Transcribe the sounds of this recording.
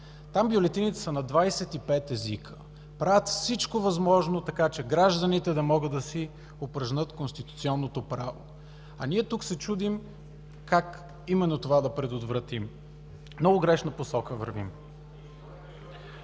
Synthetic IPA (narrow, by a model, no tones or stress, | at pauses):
t̪ambjolɛt̪init̪ɛ̥sənɐd̪vajsɛt̪ipɛt̪ɛzikʰə̥ | pɾavət̪fsit͡ʃkovɐzmɔʒnot̪ɐkat͡ʃɛɡɾaʒd̪ənit̪ɛd̪ɐmɔɡəd̪ɐsi | opɾɐʒnɤt̪konst̪it̪ut̪siɔnːot̪opɾavo̰ | ɐniɛt̪uksɛt͡ʃud̪im | kak | imɛnːot̪ovad̪ɐpɾɛd̪ot̪vɾɐt̪im | nɔvʊɡɾɛʃnəposɔkəvə̰ɾvḭm